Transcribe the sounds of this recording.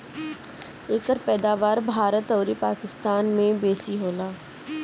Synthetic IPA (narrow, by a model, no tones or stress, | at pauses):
eːkəɾpɛːd̪aːʋaːɾbʱaːɾət̪ɔːɾipaːkɪst̪aːnmẽbeːsiɦoːlaː